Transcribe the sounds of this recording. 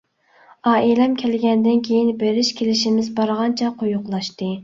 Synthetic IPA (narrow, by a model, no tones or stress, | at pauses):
ɑːʔilɛmkʲʰɛlɡʲɛnd̪ɪnkʲʰejinbeɾɪʃkʲʰelɪʃimɪzbɑɾʁɑnt͡ʃʰɛqʰojʊqlˠɑʃt̪ɨ